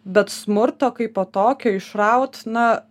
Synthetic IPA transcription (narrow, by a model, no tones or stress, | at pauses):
bʲɛt̪smʊɾt̪oːkɐɪpoːt̪oːkʲoːɪʃrɐʊt̪nɐ